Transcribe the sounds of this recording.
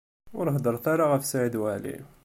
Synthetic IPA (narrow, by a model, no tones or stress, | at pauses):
wɾəɦd̪əɾˤθaɾaɣæfsaʕəd̪wælḭ